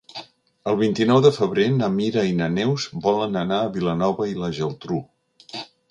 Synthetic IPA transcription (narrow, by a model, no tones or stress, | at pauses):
əlˠβint̪inɔwðəfəβɾenəmiɾəinənɛwzbɔlənənaəβilənɔβəiləʒəlˠt̪ɾu